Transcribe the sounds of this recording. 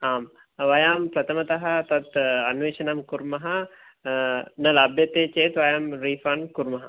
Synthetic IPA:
aːm | ʋɐjaːmpɾɐt̪ɐmɐt̪ɐɦɐt̪ɐɐt̪ɐnuʋeːʃɐnɐmkuɾumɐɦɐ | nəlabjɐt̪et͡ʃeːt̪ʋɐjaːmɾiːfɐnkuɾumɐɦɐ

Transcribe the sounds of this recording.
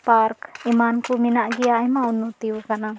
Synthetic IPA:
paɾkimankuminaʔɡiajmaunːut̪iukana

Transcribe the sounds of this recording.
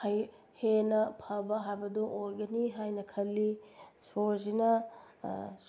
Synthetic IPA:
haj | henɐpʰɐbɐɦajbɐduʔojɡɐniɦajnɐkʰɐlːisozinɐ

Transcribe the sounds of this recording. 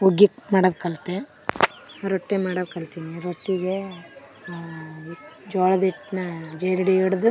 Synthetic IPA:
oɡikmaːɽɐdkɐlt̪e | ɾoʈːemaːɽɐʋkɐlt̪iniɾoʈːiɡe | id͡ʒɔːɭɐd̪iʈːnɐd͡ʒejɾiɽeiɽd̪u

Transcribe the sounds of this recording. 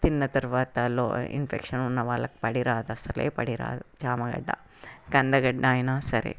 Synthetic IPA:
t̪inːɐt̪ɐɾʋaːt̪ɐlo̰ːḭnfʰekʂɐnunːɐʋaːlɐk̚pɐɽiɾaːd̪ɐsɐlḛːpɐ̰ɽiɾa̰ːd̪ɐt͡ʃaːmɐɡɐ̰ɖːɐ̰ | kɐnd̪ɐɡɐɖːaːjnaːsɐɾḛ

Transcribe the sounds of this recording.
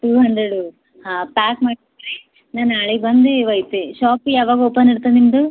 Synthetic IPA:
ʈuːɦɐnd̪ɾeɽu | hapaːkmaːɽid̪ɾe | naːnaːɭibɐnd̪eʋɐjt̪eʃaːpijaːʋaːɡɐopːɐnːiɽt̪animd̪u

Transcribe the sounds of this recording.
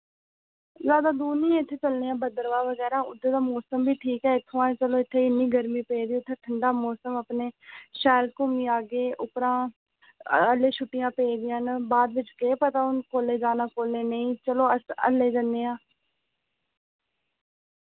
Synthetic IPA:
zjaːd̪aːd̪uːnĩːɪt̪ʰːeːt͡ʃəlneːãːbəd̪əɾʋaːʋəɡɛːɾaːʊd̪eːd̪aːmɔːsəmbiːʈʰiːkɦɛːɪt̪ʰːõãːt͡ʃəloːɪt̪ʰːeːɪnːĩːɡəɾmiːpeːd̪iːʊt̪ʰːeːʈʰəɳɖaːmɔːsəməpneːʃɛːlkʊmiːaːɡeːʔʊpɾãː | əleːʃʊʈːɪjãːpeːd̪ɪjãːnbaːd̪ʋɪt͡ʃkeːpət̪aːʊnkoːleːd͡ʒaːnaːkoːleːnəĩːt͡ʃəloːəə̰lːeːd͡ʒənːeːãː

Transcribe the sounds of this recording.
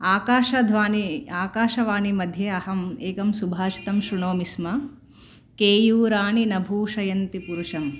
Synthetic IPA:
aːkaːʃɐd̪ʱʋaːniaːkaːʃɐʋaːnimɐd̪ʱjeɐhɐmeːkɐmsubʱaːʃi̥t̪ɐmʃɾuɳoːmismɐ | keːjuːɾaːɳinɐbʱuːʃɐjɐnt̪ipuɾuʂɐm

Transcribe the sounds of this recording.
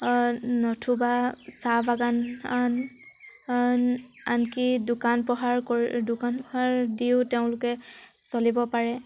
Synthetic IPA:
nɔtʰubasabaɡanan | a̰nkidʊkanpɹɔɦaɹkoɹdʊkanpɔɦaɹdiʊtɛʊ̃lʊkɛsolibɔpaɹɛ

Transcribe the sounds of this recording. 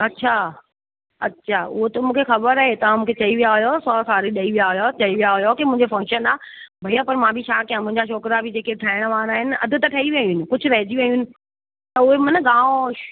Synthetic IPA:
ɐtːɕʰa | ɐ̰tːʃʰaːʊɦot̪ɐmũːkʰexɐbəɾaɦet̪ɐãmũːkʰet͡ɕɐiʋijaɦʊjosɔːsaːɾiɗɐiʋijaɦʊjot͡ɕɐiʋijaɦʊjokimʊ̃ɦɪ̃ɲd͡ʑefɐ̃ŋkʃənaː | bʱɐiapɐɾmãbʱɪt͡ɕʰaːkijãmʊ̃ɦɪ̃ɲd͡ʑaʃʰoːkɪɾabʱɪd͡ʑeːkeʈʰaːɪɽ̃ʋaːɾaːɦɪnɪ̆ɐ̰d̪ʱʊ̆t̪ɐʈʰɐiʋɐinɪ̆kʊd͡ʑʱʊɾɐɦɪd͡ʑiʋeĩuʊnɪ̆ | t̪ɐʊɦemɐnəɡãːo

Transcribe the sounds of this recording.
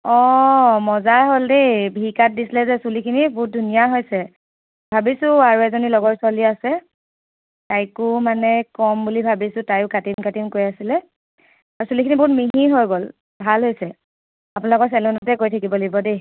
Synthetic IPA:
ɔmɔzaɦoldejbʱikat̚disilɛzɛsulikʰinibʊt̚dʱunijaɦojsɛ | bʱabisʊ̃aɹuɛzonilɔɡɔtswaliasɛ | tajkʊmanɛkɔmbulibʱabisʊtajʊkatimkatimkoɹjasilɛ | aɹusulikʰinibʊtmiɦiɦojɡol | bʱalɦojsɛ | apʊnalɔkɔtsɛlunatɛkoɹjtʰakibɔleibɔdej

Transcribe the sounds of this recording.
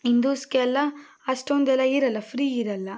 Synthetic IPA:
ind̪uːskeɛlːɐ | ɐʂʈond̪ɛlːɐiɾɐlːɐpʰɾiːiɾɐlːɐ

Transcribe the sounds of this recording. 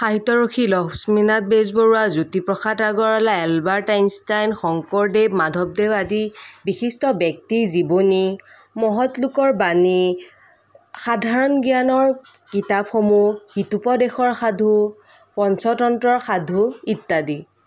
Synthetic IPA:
xaɦitɔɹuxʰilɔbsminat̚bezbɔɹuwazutipɹɔxataɡɔɹalaɛlbaɹtajnstajnxɔŋkɔɹdebmadʱɔb̚dewadibixistɔbjɔk̚tizibɔni | mɔɦɔtlʊkɔɹbani | xadʱaɹɔnɡijanɔɹkitapxomuhitupɔdexɔɹxadʱu | pɔnsɔtɔntɹɔɹxadʱuitːadi

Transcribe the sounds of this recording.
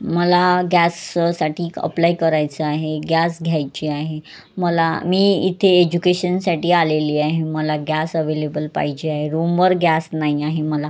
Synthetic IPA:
məlaɡæssaʈʰiːkə̰plajkəɾajt͡səaɦeɡjasɡʱjajt͡ɕiaɦe | məla̰miːḭt̪ʰeed͡ʑukeɕənsaʈiːaleliːaɦeməlaɡasəʋelebəlpa̰ɦid͡ʑeaɦeɾumʋəɾɡʱjasnaɦiaɦeməla

